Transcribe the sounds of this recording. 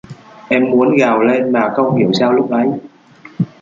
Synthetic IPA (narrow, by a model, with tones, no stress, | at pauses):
ʔɛ˧mːu˨˦ənɣaː˨˩wle˧nmaː˨˩xə˧wŋ͡mhi˧˩əwsaː˧wlʊ˦˥k͡p̚ʔə˨˦j